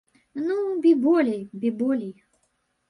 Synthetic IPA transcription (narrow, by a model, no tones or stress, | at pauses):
nubʲibɔlʲijbʲibɔlʲij